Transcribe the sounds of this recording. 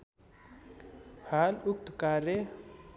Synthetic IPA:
haluk̚t̪kaɾe

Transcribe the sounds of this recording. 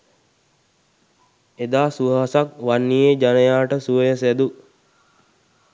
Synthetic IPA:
ed̪aːsuʋəɦasakʋanːijed͡ʒanəjaːʈəsuʋəjəsæd̪u

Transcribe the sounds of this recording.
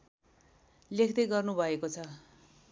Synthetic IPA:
lekʰd̪ʌjɡʌrnubʱʌekot͡sʰʌ

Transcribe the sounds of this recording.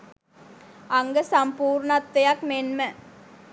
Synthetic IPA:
ɐŋɡəsɐmpuːɾɳɐt̪ːɐjɐkmenmə

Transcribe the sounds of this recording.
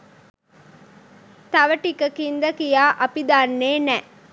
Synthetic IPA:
t̪ɐʋəʈikəkind̪ɐkijaːʔɐpid̪aːnːeːnɛ

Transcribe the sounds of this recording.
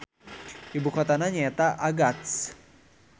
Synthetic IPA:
ibukɔt̪anaɲɛt̪aʔaɡat̪s

